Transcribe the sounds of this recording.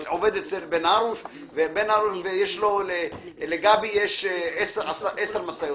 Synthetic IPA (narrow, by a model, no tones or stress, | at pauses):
oved̪et͡selbenaɾuʃ | vebenaʁuʃvejeʃloleleɡabijeʃesasaʔeseʁmasajo